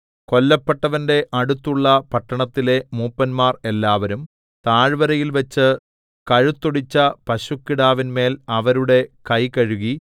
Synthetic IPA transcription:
ko̞lːɐpːeʈːɐʋɐnde̞ʔɐɽut̪ːuɭːɐpɐʈːɐɳɐt̪ːile̞muːpːɐnmaːre̞lːaːʋɐɾum | t̪aːɻʋɐɾɐjilʋɐt͡ɕːɨ | kɐɻut̪ːoɽit͡ɕːɐpɐɕukːiɽaːʋinme̞ːlɐʋɐɾuɽe̞kɐjkɐɻuɣi

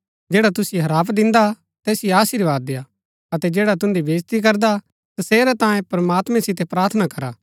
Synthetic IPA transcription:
d͡ʒeːɽat̪ʊsjoɦɐɾaːpd̪ɪ̃nd̪a | t̪ɛːsɪjaːʃiːɾʋaːd̪ːeja | ɐt̪ɛd͡ʒeːɽat̪ʊ̃nd̪ibeːd͡ʒt̪ikɐɾd̪a | t̪ɐseːɾɛt̪ãːjẽpɾɐmaːt̪mɛ̃sɪt̪ɛpɾaːɾt̪ʰnakɐɾa̰ː

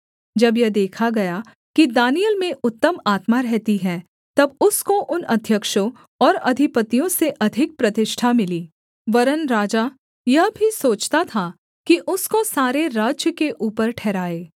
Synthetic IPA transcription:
d͡ʒɐbjɐd̪eːkʰaɡɐja | kid̪aːnijəlmẽʔʊt̪ːəmaːt̪maɾɛɦt̪iɦɛː | t̪ɐbʊskoʔʊnɐd̪ʱjəkʃõ | ɔːɾɐd̪ʱɪpət̪ijõseʔɐd̪ʱɪk̚pɾɐt̪ɪʃʈʰamɪliː | ʋɐɾənɾaːd͡ʒa | jɐɦbʱisoːt͡ʃt̪at̪ʰa | kiʔʊskosaːɾeɾaːd͡ʒjəkeʔuːpəɾʈʰɛːɾaːeː

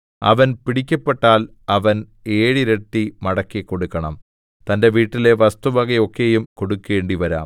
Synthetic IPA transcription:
ɐ̰ʋɐnpiɽikʲːɐpːe̞ʈːaːl | ɐʋɐn | eːɻiɾeʈːimɐɽɐkːekːo̞ɽukːɐɳɐm | t̪ɐnde̞ʋiːʈːile̞ʋɐst̪uʋɐɣɐo̞kːe̞ːjumko̞ɽukːe̞ːɳɖiʋɐɾa̰ːm

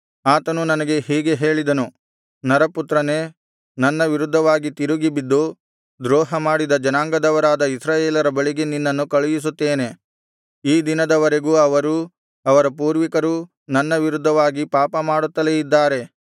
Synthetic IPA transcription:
aːt̪ɐnunɐnɐɡe̞ɦiːɡe̞ɦe̞ːɭid̪ɐnu | nɐɾɐput̪ɾɐne̞ | nɐnːɐʋiɾud̪ʱːɐʋaːɡit̪iɾuɡibid̪ːu | d̪ɾɔːɦɐmaːɽid̪ɐd͡ʒɐnaːŋɡɐd̪ɐʋɐɾaːd̪ɐisɾaːjeːlɐɾɐbɐɭiɡeninːɐnːukɐɭijis̬ut̪ːe̞ːne̞ | iːd̪inɐd̪ɐʋɐɾe̞ɡuːɐʋɐɾu | ɐʋɐɾɐpuːɾʋikɐɾu | nɐnːɐʋiɾud̪ʱːɐʋaːɡipaːpɐmaːɽut̪ːɐleid̪ːaːɾe̞

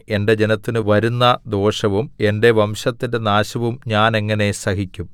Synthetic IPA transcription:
e̞nde̞d͡ʑe̞nɐt̪ːinɨʋɐɾunːɐd̪o̞ːʂɐʋume̞nde̞ʋɐmɕɐt̪ːinde̞naːɕɐʋumɲaːne̞ŋːɐne̞sɐɦikʲːum

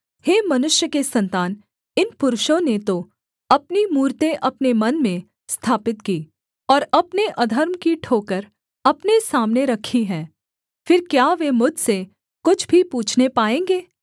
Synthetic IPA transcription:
heːmɐnʊʃjəkesɐ̃nt̪aːn | ɪnpʊɾʊʃõnet̪o | ɐpnimuːɾt̪eʔɐpnemɐnmẽ | st̪ʰaːpɪt̪kiː | ɔːɾɐpneʔɐd̪ʱəɾmkiʈʰoːkəɾ | ɐpnesaːmneɾɐkʰiɦɛ̃ː | fɪɾkjaːʋemʊd͡ʒʱse | kʊt͡ʃʰbʱipuːt͡ʃʰnepaːẽːŋɡeː

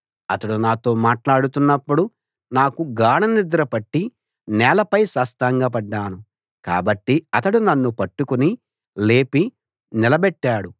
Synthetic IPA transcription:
ɐt̪ɐɽunaːt̪o̞ːmaːʈlaːɽut̪unːɐpːuɽu | naːkuɡaːɳɐnid̪ɾɐpɐʈːi | nɛːlɐpɐjsaːst̪aːŋɡaːpɐɖːaːnu | ka̰ːbɐʈːiɐt̪ɐɽunɐnːupɐʈːukuni | le̞ːpi | nilɐbɛʈːaːɽu

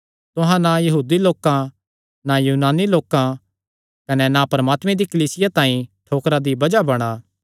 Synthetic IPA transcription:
t̪ʊ̃ɦãnajɐɦuːd̪iloːkã | najuːnaːniloːkã | kɐnɛnapɐɾɐmaːt̪mɛ̃d̪ikɐliːsɪjat̪ãːĩʈʰoːkɾad̪ibɐd͡ʒabɐɽ̃aː

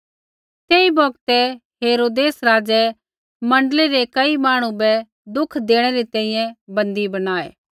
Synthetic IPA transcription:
t̪eːibɔːɡt̪ɛ | ɦeːɾoːd̪eːsɾaːd͡ʒɛ | mɐ̃ɳɖəleɾekɐimaːɽ̃ũbɛ | d̪ʊkʰd̪eːɽ̃ɛɾit̪ɛ̃ːĩjɛ̃bɐ̃nd̪ibɐnaːḛː

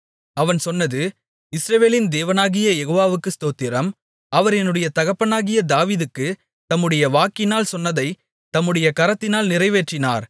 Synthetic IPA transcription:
ɐʋɐnsɔnːɐðɯ | ɪsɾɐʋeːlɪnd̪eːʋɐnaːɣɪjɐjɛɣoːʋaːʋɯkːɯst̪oːt̪ːɪɾɐm | ɐʋɐɾɛnːɯɽɐjɐt̪ɐɣɐpːɐnaːɣɪjɐd̪aːʋiːðɯkːɯ | t̪ɐmːɯɽɐjɐʋaːkɪnaːlsɔnːɐðɐɪ | t̪ɐmːɯɽɐjɐkɐɾɐt̪ːɪnaːlnɪrɐɪʋeːʈrɪna̰ːɾ

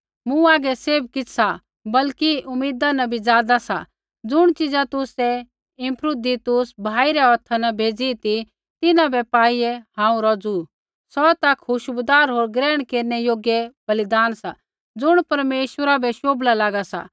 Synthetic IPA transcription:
mũaːɡɛseːb̚kɪt͡ssa | bɐlkiʊmiːd̪anɐbʱid͡zaːd̪asa̰ | d͡zʊɽ̃t͡ʃɪd͡zat̪ʊsɛ | ɪ̃mpʰɾʊd̪it̪ʊsbʱaːiɾɛɔt̪ʰanɐbʱeːd͡zit̪i | t̪ɪnãbɛpaːiɛɦãːũɾɔd͡zu | sɔt̪ɐkʰɦʊʃbʊd̪aːɾɦoːɾɡɾɛːɽ̃keːɾnɛjoːɡjɛbɐlɪd̪aːnsa | d͡zʊɽ̃pɐɾmeːʃwəɾabɛʃoːblalaːɡasa̰

